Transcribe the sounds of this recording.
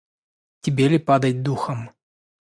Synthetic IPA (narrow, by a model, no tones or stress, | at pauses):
tʲɪbʲelʲɪpad̪ɐt̚ʲd̪uxɐm